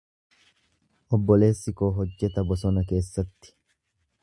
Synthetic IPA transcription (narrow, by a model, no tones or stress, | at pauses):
ʔɔbːɔle̞ːsːɪko̞ːɦɔd͡ʒːɛt̪ɐbɔsɔnɐke̞ːsːɐt̪ːɪ̥